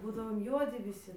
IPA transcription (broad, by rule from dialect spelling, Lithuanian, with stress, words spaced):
ˈbuːdɐʋoːm ˈjuɔdʲɪ ʋʲɪˈsʲɪ